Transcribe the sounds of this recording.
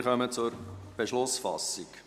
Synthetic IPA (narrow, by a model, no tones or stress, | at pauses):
χœmət͡sʊɾb̥eʃlʊsfɑ̰sik